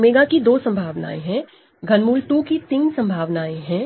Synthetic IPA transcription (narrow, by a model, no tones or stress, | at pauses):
meːɡakid̪oːsɐ̃mbʱaːʋna̰ːeɦɛ̃ | ɡʱɐnmuːlʈukit̪iːnsɐ̃mbʱaːʋnaːẽɦɛ̃ː